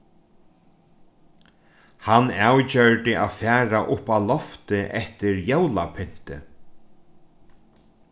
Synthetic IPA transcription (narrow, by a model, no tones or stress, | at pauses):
hanːawt͡ɕœɹʈ̪ɪʔa̰ðfæːɾaʔʊpːawlɔft̪ɪʔɛht̪ɪɾjowla̰pʰʏn̥t̪ɪ̰